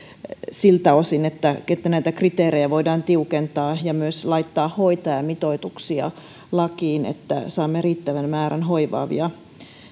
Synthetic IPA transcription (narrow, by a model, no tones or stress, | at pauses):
silt̪ɑosinet̪ːæet̪ːænæit̪ækrit̪eːɾejæʋoidɑːnt̪iukent̪ɑːjɑmyøslɑit̪ːɑːhhoit̪ɑjɑmit̪oit̪uksiɑ̰ | lɑkiːnḛt̪ːæ̰sɑːmːeriːt̪ːæʋænmæːɾænhoiʋɑ̰ːʋḭɑ